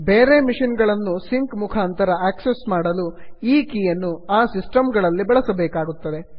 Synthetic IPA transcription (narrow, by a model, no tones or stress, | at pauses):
beːɾemiʂinɡɐɭɐnːusiŋkmukʰaːnt̪ɐɾɐaːksesmaːɽɐluiːkiːjɐnːuaːsisʈɐmɡɐɭɐlːibɐɭɐsɐbɛːkaːɡut̪ːɐd̪e̞